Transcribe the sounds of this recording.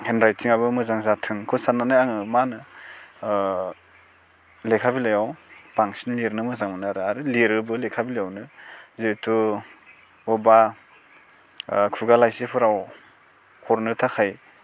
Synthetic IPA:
hendɾaj̚siŋaβɯmɯzaŋzatʰɯŋkʰɯsanːanajaŋɯmanɯ | lekʰabilajawbaŋsinliɾnɯmɯzaŋmɯnaɾɯaɾɯliɾɯbɯlekʰabilejawnɯzetʰu | ɔba | kʰuɡalajsepʰɯɾaw | hʰɔɾnɯtʰakʰaj

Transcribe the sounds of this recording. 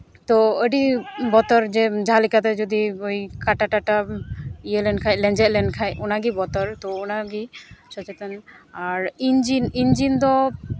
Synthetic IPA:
t̪ɔəɖibɔt̪ɔɾd͡ʒɛd͡ʒʱalikat̪̬ɛd͡ʒɔd̪iojkaʈaʈaʈaijəlɛnkʰajlɛ̃nd͡ʒɛt̪̚lɛnkʰajɔnaɡibɔt̪ɔɾt̪ɔɔnaɡiʃɔt͡ʃɛt̪ɔnaɾind͡ʒinind͡ʒind̪ɔ

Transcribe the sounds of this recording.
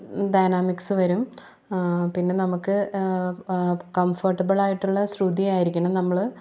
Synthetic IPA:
ɖɐjnaːmiksɨʋɐɾum | pinːe̞nɐmukːɨ | kɐmfɐrʈːɐbɐɭaːjiʈːuɭːɐsrud̪ijaːjiɾikʲːuɳɐmnɐmːɐɭ

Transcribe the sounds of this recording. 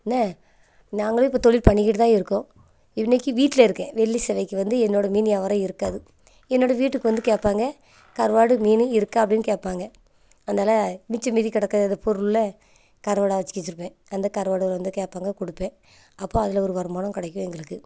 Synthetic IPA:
nɐ | naːŋɡɐɭʊ̃ɪpːoːt̪ɔɭɪlpɐɳːɪkːɪʈːɯt̪ãːɪɾɯkːõ | ɪnːɐkːiʋiːʈːɪlɐɪɾɯkːḛ̃ːʋɛɭːisɛʋɐɪkːɯʋɐnd̪ɯɛnːoːɽɐmiːnɐʋɐɾɐ̃ɪɾɯkːaːðɯ | ɛnːoːɽɐʋiːʈːɯkːɯʋɐnd̪ɯkeːʈpaːŋɡɐ | kɐɾʋaːɽɯmiːnɯɪɾɯkːãɐpːɐɽɪnːɯkeːʈ̚pːaːŋɡɐ | ɐnd̪aːlɐmɪt͡ʃːɐmiːðikɪɽɐkːaːðɐnd̪ɐpɔɾɯllɐ | kɐɾʋaːɽaːʋɐt͡ʃːɪ̥kːɪt͡ʃːɯɾɯpːẽː | ɐnd̪ɐkɐɾʋaːɽɯɐlʋɐnd̪ɯkeːpːaːŋɡɐkɔɽɯpːẽː | ɐpːoːɐðɪlɔɾɯʋɐɾɯmaːnɐ̃mkɪɽɐkːʊ̃ɛŋɡɐɭɯkːɯ

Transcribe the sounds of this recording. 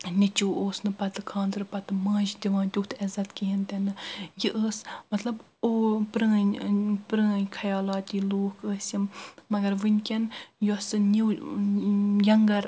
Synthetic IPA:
nʲɪt͡ʃuːoːsnɨpɐt̪ɨkʰãːnd̪ɨɾpɐt̪ɨmãːʒd̪ʲiʋãːnt̪ʲuht̪ʰɛzɐt̪kiɦint̪ɛnɨjɨʔəːsmɐt̪lɐb | opɾəːnʲpɾə̃ːnʲkʰɐjɑːlaːt̪iːloːkəːsʲjimːɐɡɐɾʋɨnʲkʲɛnjɔsɨnʲiw | jɐŋɡɐɾ

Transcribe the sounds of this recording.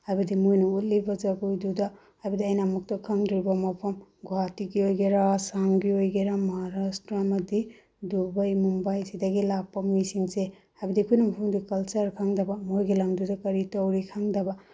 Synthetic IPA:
ajbɐdimojnuutlibɐzɐɡujdudɐ | ajbɐdiɐjnɐːmɐk̚tɐkʰaŋdɾibɐmɐpʰɐmɡwatiɡiojɡeɾasaŋbiojɡeɾamɦaɾastɾamɐdi | dubajmumbajsidɐɡilak̚pːɐmisiŋse | hajbɐdikʰujnumpʰuŋdikɐlt͡ʃɐɾkʰaŋdɐbɐmojɡilaŋdudɐkɐɾitɐwɾikʰaŋdɐba

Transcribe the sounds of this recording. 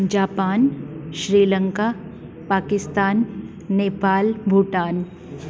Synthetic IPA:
d͡ʒaːpaːnʃɾiːlə̃ŋka | paːkɪst̪aːnː | eːpaːlbʱuʈaːn

